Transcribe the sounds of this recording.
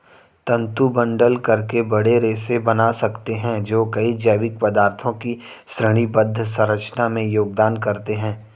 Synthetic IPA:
t̪ɐ̃nt̪ubɐ̃ɳɖəlkɐɾkebɐɽeɾeːsebɐnasɐkt̪eɦɛ̃d͡ʒoːkɐid͡ʒəʋɪk̚pɐd̪aːɾt̪ʰõki | sɾəɽ̃ibɐd̪ʱːəsɐ̃ɾət͡ʃnamẽjoːɡd̪aːnkɐɾt̪eɦɛ̃ː

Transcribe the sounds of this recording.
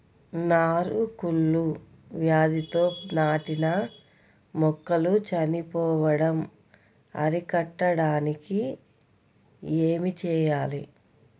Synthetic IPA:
naːɾukuɭːu | ʋjaːd̪it̪o̞ːnaːʈinɐ | mɔkːɐlut͡ʃɐnipɔːʋɐɽɐm | ɐ̰ɾikɐʈːɐɽaːniki | eːmit͡ʃɛːjaːlḭ

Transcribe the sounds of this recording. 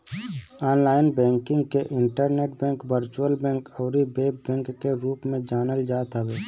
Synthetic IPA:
aːnlaːɪnbɛ̃ːŋkɪ̃ŋɡkeʔɪɳʈəɾneːʈ̚bɛ̃ːŋkʋəɾt͡ʃuəlbɛ̃ːŋkɔːɾibeːbɛ̃ːŋkːeɾuːpmẽd͡ʒaːnəld͡ʒaːt̪əʋeː

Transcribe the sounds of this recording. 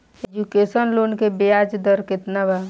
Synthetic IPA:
ed͡ʒukesənlonkebejad͡ʒd̪əɾkɪt̪naba

